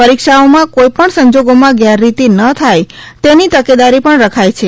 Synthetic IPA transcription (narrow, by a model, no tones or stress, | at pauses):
pəɾikʃaomãkojpəɳsəɲd͡ʒoɡomãɡjaɾːit̪inət̪ʰaj | t̪enit̪əked̪aɾipəɳɾəkʰajt͡ʃʰe